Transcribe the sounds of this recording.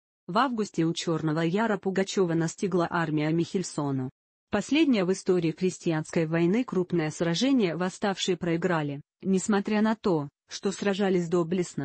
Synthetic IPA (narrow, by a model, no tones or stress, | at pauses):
vavɡʊsʲtʲɪʊt͡ɕo̞rnəvəjaɾəpʊɡɐt͡ɕo̞vənɐsʲtʲiɡlˠəʔarmʲɪjəmʲɪxʲɪlʲso̞nʊ | pɐsʲlʲedʲnʲɪjəvɨst̪o̞ɾʲɪːxɾʲɪsʲtʲɪjanskəjvɐjnɨkɾupnɨjəsrɐʐɛnʲɪjəvɐst̪afʂɨjəpɾəɪɡɾalʲɪ | nʲɪsmɐt̪ɾʲanɐt̪o̞ | ʂt̪o̞srɐʐalʲɪsʲd̪oblʲɪsnə